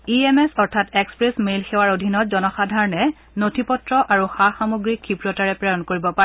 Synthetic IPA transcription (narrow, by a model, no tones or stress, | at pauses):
iemesɔɹtʰatekspɹesmelxewaɹodʱinɔtzɔnɔxadʱaɹɔnɛ | notʰipɔtɹɔʔaɹuxaxamuɡɹikʰːipɹɔtaɹɛpɹɛjɔnkoɹibɔpaɛ